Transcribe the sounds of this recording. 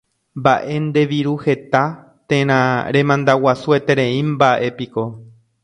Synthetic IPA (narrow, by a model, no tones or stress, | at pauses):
mbaʔe̞nd̪e̞ʋiɾuhe̞t̪a | t̪ẽ̞ɾ̃ãɾẽ̞mãnd̪awasue̞t̪e̞ɾẽĩmbaʔe̞piko̞